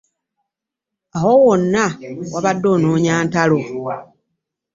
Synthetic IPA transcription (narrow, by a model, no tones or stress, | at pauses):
awowonːawaβadːo̞ːnoːɲaːntalo